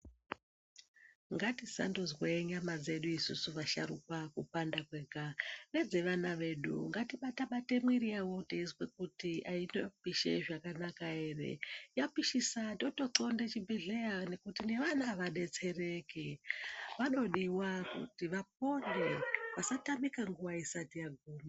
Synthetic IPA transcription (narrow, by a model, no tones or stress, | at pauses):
ŋɡatisa̰ndozweɲamad͡ze̞ɗuisusuʋaʃa̰ɾṵkwakupandakweːkaned͡ze̞ʋanaʋe̞ɗṵŋɡatiɓataɓate̞mwiɾiawoteizwek̚utiʔainopiʃḛʐakanakae̞ːre̞̰japiʃisandoto̞ǀo̞ndet͡ʃibeɮejane̞kutine̞ʋanaʋaɗe̞t͡se̞re̞keʋano̞ɗiwakṵtiʋap̚o̞nde̞ʋasatamikaŋɡuwaisatijaɡʱuːma